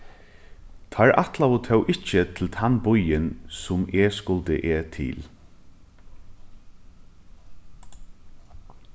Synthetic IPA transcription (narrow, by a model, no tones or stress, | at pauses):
t̪ʰaɹʔa̰t̪laot̪ʰœwʔɪt͡ʃət̪ʰɪlt̪ʰanbʊjənsʊmɛskʊld̪ə̰ʔeːt̪ʰɪ̰ːl